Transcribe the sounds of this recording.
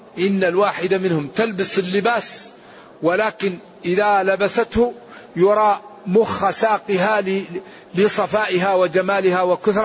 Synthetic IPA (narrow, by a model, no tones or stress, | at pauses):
ʔɪnːalwaːħɪd̪amɪnhʊmt̪albɪsɪlːɪbaːs | wɪlaːkɪn | ʔɪðalabasat̪hʊ | jʊɾˤɑːmʊxasaːqɪɦa | lɪsˤɑfaːʔɪɦawɪd͡ʒamaːlɪhawakʊθɾˤ